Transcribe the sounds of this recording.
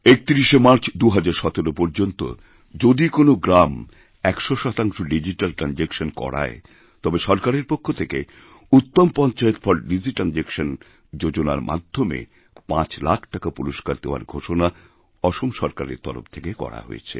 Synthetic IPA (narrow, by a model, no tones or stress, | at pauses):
ek̚t̪iɾiʃemaɾt͡ɕʰd̪uɦad͡ʑaɾʃɔt̪oɾopoɾd͡ʑont̪o̰ | d͡ʑod̪ikonoɡɾam | ɛkʃoʃɔt̪aŋʃoɖid͡ʑiʈalʈɾand͡ʑekʃonkɔ̰ɽa̰e | t̪ɔbeʃɔɾkaɾeɾpokʰːot̪ʰeke | ut̪ːompɔnt͡ɕaet̪fʰɔɾɖid͡ʑiʈand͡ʑekʃon | d͡ʑod͡ʑona̰ɾmʔa̰d̪ʱːomḛ | pãt͡ɕlakʰʈakapuɾoʃkaɾd̪eoa̰ɾɡʱoʃona | ɔʃomʃɔɾkaɾḛɾt̪ɔ̰lo̰ft̪ʰekekɔ̰ɽa̰ɦo̰jḛt͡ɕʰḛ